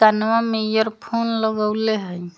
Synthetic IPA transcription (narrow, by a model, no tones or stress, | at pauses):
anwamejɔɾpʰonlɔɡəwleɦəj